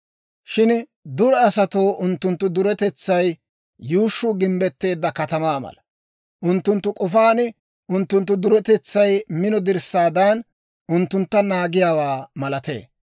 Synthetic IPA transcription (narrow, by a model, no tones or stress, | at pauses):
ʃɪn | d̪ʊɾɛɐsɐt̪oːʔʊnt̪ːʊnt̪ːʊd̪ʊɾɛt̪ɛt͡sːɐj | juːʃːʊɡɪmbɛt̪ːe̞ːd̪ːɐkɐt̪ɐmaːmɐ̰lɐ | ʔʊnt̪ːʊnt̪ːʊkʼɔfaːnɪ | ʔʊnt̪ːʊnt̪̬ːʊd̪ʊɾɛt̪ɛt͡sːɐjmɪnɔd̪ɪɾsːaːd̪aːn | ʔʊnt̪ːʊnt̪ːɐnaːɡɪjaːwaːmɐlɐt̪e̞̰ː